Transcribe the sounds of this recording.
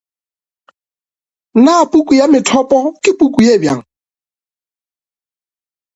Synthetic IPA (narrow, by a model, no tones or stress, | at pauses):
napukujamɪtʰɔpʼɔkɪpukujebja̰ŋ